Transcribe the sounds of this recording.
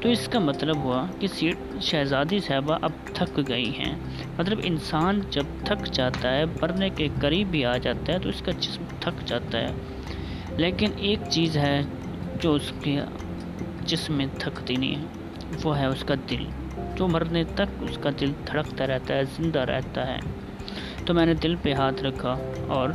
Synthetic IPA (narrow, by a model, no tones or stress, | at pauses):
t̪oːɪskamɐt̪ləbɦʊakisiːʈ | ʃɛːzaːd̪isɛːbaʔɐb̚t̪ʰɐkɡɐḭɦɛ̰̃ː | mɐt̪ləbɪ̰nsaːnd͡ʒɐb̚t̪ʰɐkd͡ʒaːt̪aɦɛːmɐɾnekekɐɾiːbːiaːd͡ʒaːt̪aɦɛt̪oɪskad͡ʒɪsmt̪ʰɐkd͡ʒaːt̪aɦɛ̰ː | leːkɪneːkt͡ʃiːzɦɛ | d͡ʒoːʊske | d͡ʒɪsmːẽt̪ʰɐkd̪inḭ̃ | ʋoɦɛʊskad̪ɪl | d͡ʒoːmɐɾnet̪ɐkʊskad̪ɪlt̪ʰɐɽəkt̪aɾɛɦt̪aɦɛzɪ̃nd̪aɾɛ̰ɦt̪aɦɛ̰ː | t̪omɛ̃ːned̪ɪlpeɦaːt̪ʰɾɐkʰːaɔːɾ